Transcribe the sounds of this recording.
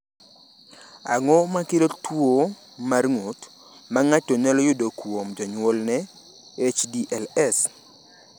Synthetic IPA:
aŋɔmakelotwo | marŋot | maŋat͡ʃːonɛlɔjʊdokwomd͡ʒɔɲwɔlnɛ | et͡ʃdiʔɛlɛs

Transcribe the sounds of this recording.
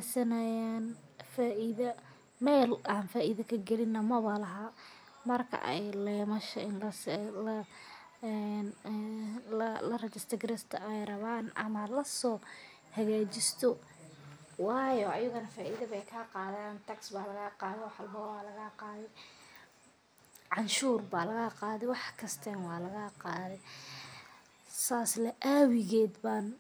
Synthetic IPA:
sɐnɐjaːnfaːʔɪðɐ | mɛːlaːnfaːʔɪðɐkʰɐɡɛlɪnːɐmɐβɐlɐɦɐ | mɐrkʰɐ̰ʔɛ̰jlɛːmɐʃɐɪnlɐ | n | llɐrɐt͡ʃɛst̪ʰɐɡɾɛst̪ʰɐɛjrɐβaːnɐ̰mɐlɐsɔː | hɐɣaːt͡ʃɪst̪ʰɔ | wɑːjɔɐjʊɣɐnɐfaːʔiðɐβɛjkʰaːqɑːðaːnt̪ʰɐksbaːlɐɣaːqɑːðɛwɑħɑlbɔːwaːlɐɣaːqɑːðɛ | ʕɑnʃuːrbaːlɐɣaqɑːðɛwɑħkʰɐst̪ʰɛnwɑːlɐɣaːqɑːðɛ | saːslɛʔaːwɪɣɛːd̪baːn

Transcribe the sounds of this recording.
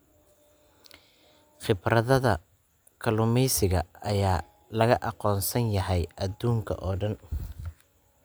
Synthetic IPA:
χɪbrɐðɐðɐ | kʰɐlʊmɛjsɪɣɐɐjaː | lɐɣɐʔɑqɔːnsɐnjɐɦɛjʔɐd̪uːŋkʰɐ̰ʔɔːɖɐn

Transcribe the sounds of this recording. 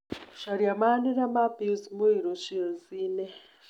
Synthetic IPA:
ʃaɾjamaniɾamabizimuiɾot͡ʃiozine

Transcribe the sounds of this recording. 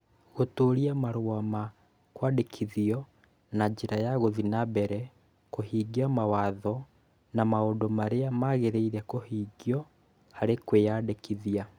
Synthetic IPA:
ɣotoːɾiamaɾwama | kwadekʰiðiɔ | naɲd͡ʑeɾajaɣoðinabɛɾɛ | kohiːɡiamawaðɔ | namaodomaɾeamaɣeɾeiɾɛkohiːɡjɔ | haɾekweadekiðia

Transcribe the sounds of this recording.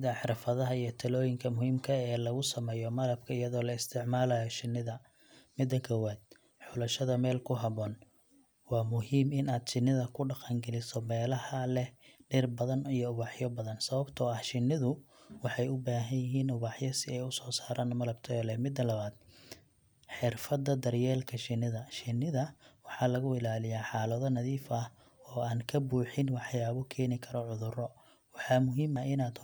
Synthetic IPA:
sɪðɐħɑɾɐfɐðɐɦɐijɞt̪ʰɐlɔːjɪŋkʰɐmʊhiːmkʰɐɛːlɐɣʊsɐmɛːjɔmɐlɐbkʰɐɪjɐðɔːlɐɪst̪ʰɪʕmaːlɐːjɔʃɪnːɪðɐ | mɪd̪ːɐkʰɔwaːd̪̚ | ħʊlɐʃɐðɐmɛːlkʰʊɦɐβɔːn | wɑːmʊɦiːmɪnaːd̪t͡ʃɪnːɪðɐkʰʊɖɑqɑŋɡɛlɪsɔmɛːlɐhɐlɛɖɪrbɐðɐnijɔʊβɑħjɔbɐðɐnsɐβɐbt̪ʰɔɐhʃɪnːɪðʊ | wɑħɑjʊbaːɦɐnjɪɦiːnʊβɑħjɔsɪɛjʊsɔːsaːɾʔaːnmɐlɐbt̪ʰɐɔlɛmɪd̪ːɐlɐβaːd̪̥̚ | ħɪrfɐd̪ɐd̪ɐrjɛːlkʰɐʃɪnːɪðɐʃɪnːɪðɐwɑħɑːlɐɣʊɪlaːlɪjaːħɑːlɐðɔnɐðiːfɐh | ɔːaːnkʰɐbuːħɪnwɑħjaːβɔkʰɛːnɪkʰɐɾɔʕʊðʊrɔ | wɑħɑmʊɦiːmɐɪnaːd̪

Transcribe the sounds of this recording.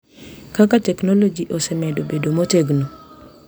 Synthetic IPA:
kakatɛknolod͡ʒiʔosɛmɛdobedomoteɡno

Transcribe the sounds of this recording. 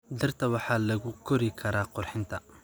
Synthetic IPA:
d̪ɐrt̪ʰɐwɑħɑːlɐɣʊkʰɔɾɪkʰɐɾaːqʊrħɪnt̪ʰɐ

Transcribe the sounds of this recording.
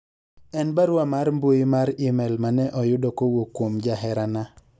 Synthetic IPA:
ɛnbaɾwamaɾmbujimaɾɪmɛlmanɛʔɔjʊdokowokːwomd͡ʒaɦɛɾana

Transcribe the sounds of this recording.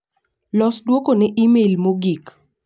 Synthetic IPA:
lɔsdwokonɪʔimelmoɡik

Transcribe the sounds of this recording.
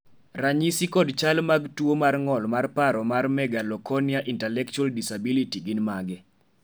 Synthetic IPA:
raɲisikɔdt͡ʃalmaɡtuomarŋɔlmarpaɾɔmarmɛɡalɔkɔnjaʔintɛlɛk̚t͡ʃualdisabilitiɡɪnmaɡɪ

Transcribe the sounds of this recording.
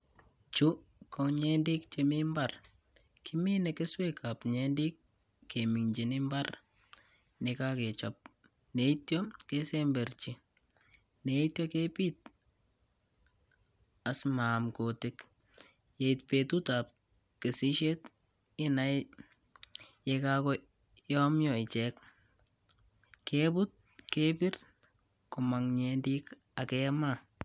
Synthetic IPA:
t͡ʃukɔɲendikt͡ʃemimbar | kʰɪminɛkeswekʰapɲendikː | emiŋd͡ʒinɪmbar | nɪkaket͡ʃɔp̚ | neitjɔkesembeɾt͡ʃi | neitjɔkepit̪̚ | asmaːmkotɪk | jeitpetutap̚ | kesiʃɛt | ɪna | jɛkakɔ | jɔmjɔɪt͡ʃɛk | kebʊt̚ | kepɪr | kʊmaŋɲendik | akɛma

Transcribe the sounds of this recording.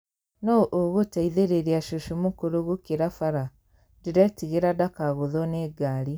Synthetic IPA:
nɔʔoɣotaiðeɾeɾiaʃoʃumokoɾoɣukiɾafaɾa | diɾɛtiɣeɾadakaɣoðɔneɡaɾi

